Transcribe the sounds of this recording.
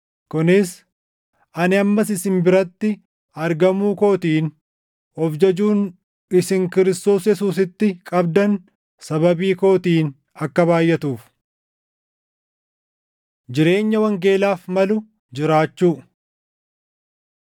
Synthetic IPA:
kʊnɪs | ʔɐnɪɐmːɐsɪsɪmbɪɾɐt̪ːɪ | ɐɾɡɐmuːko̞ːt̪iːn | ɔfd͡ʒɐd͡ʒuːn | ɪsɪŋkɪɾɪst̪o̞ːsjɛsuːs̬ɪt̪ːɪkʼɐbd̪ɐn | sɐβɐbiːko̞ːt̪iːn | ɐkːɐβaːjːɛt̪uːf | d͡ʒɪɾe̞ːɲːɐwɐŋɡe̞ːlaːfmɐlʊ | d͡ʒɪɾaːt͡ʃːuː

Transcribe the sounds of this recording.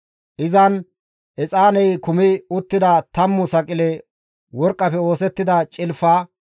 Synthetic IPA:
ʔɪzɐn | ʔɛt͡sʼaːnɛjkʊmɪʊt̪ːɪd̪ɐt̪ɐmːʊsɐkʼɪlɛ | wɔɾkʼːɐfɛo̞ːsɛt̪ːɪd̪ɐt͡ʃʼɪlfaː

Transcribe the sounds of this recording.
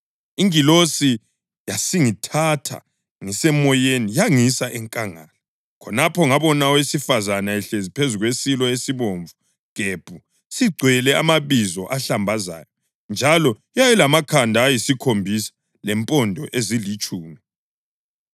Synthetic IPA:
iŋilosi | jasiŋitʰatʰa̰ | ŋisɛmɔjenijaŋisaʔɛŋkʼaŋa̰ːla | kʰɔnapʰɔŋaβɔnaɔwesifazanaɛɬezipʰezuɣwesilɔesiβoːɱvu | ɡ̥ʱeb̥ʱu | siɡ͡ǀʱwɛlɛa̰maβizɔʔaɬambʱaza̰ːjɔ | nd͡ʒʱalɔ | jajɛlamakʰandʱaːjisikʰombʱisḁ | lɛmpʼɔndʱɔʔezilit͡ʃʼuːmi

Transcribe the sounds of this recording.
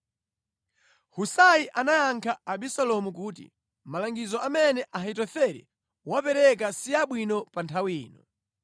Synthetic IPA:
husajiʔanajaŋkʰaːɓisalɔmukuːtḭ | malaŋɡizɔʔamɛnɛʔaɦit̬ɔθɛɾɛ̰ | wapɛɾɛk̬asiaɓwinɔpantʰawiːnɔ

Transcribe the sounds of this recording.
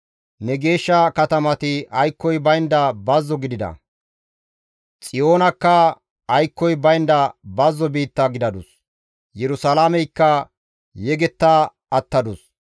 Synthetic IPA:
nɛɡe̞ːʃːɐkɐt̪ɐmɐt̪ɪɐjkːɔjbɐjnd̪ɐbɐzːɔɡɪd̪ɪd̪ɐ̰ | t͡sʼɪjo̞ːnɐkːɐ | ɐjkːɔjbɐjnd̪ɐbɐzːɔbiːt̪ːɐɡɪd̪ɐd̪ʊs | jɛɾʊsɐlaːmɛjkːɐ | jɛɡɛt̪ːaː | ɐt̪ːɐd̪ʊs

